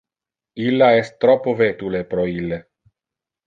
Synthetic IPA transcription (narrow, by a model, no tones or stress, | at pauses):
ilːaɛst̪ːɾɔpːovet̪ulepɾɔilːe